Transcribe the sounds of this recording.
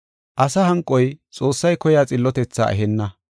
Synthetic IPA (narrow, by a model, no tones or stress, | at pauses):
ʔɐsɐhɐŋkʼːɔjt͡sʼo̞ːsːɐjkɔjaːt͡sʼɪlːɔt̪ɛt͡sːa̰ːʔɛ̰ɦɛnːɐ